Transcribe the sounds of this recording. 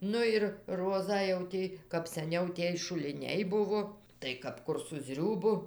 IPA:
ˈnʊ ɪr ˈroːzɑː jɛʊ ˈtʲɪ kɐp sɐˈnʲɛʊ ˈtʲiɛj ʃʊlʲɪˈnʲɛɪ ˈbʊʋoː tɐɪ kɐp ˈkʊr sʊ ˈzʲrʲuːbʊ

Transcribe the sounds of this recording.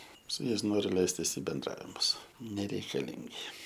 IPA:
sʊ ˈjɛɪs ˈnoːrʲʊ ˈlʲɛɪsʲtʲɪs ɪ bʲɛnˈdrɑːʋʲɪmʊs nʲɛrʲɛɪkɐˈlʲɪŋʲɡʲɪ

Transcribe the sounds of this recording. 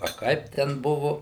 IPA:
ɐ ˈkɐɪp ˈtʲɛn ˈbʊʋʊ

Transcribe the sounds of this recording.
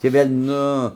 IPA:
tʲiː ˈʋʲeːlʲ ˈnʊ

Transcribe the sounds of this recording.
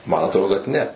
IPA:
mɐn ɐtˈroːdoː kɐt ˈnʲɛ

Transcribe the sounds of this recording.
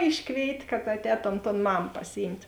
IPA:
ˈɪʃkʋʲeːɪtʲ kɐt ɐtʲˈɛːtoːm toːn ˈmɐm pɐsʲɪˈjiːmʲtʲ

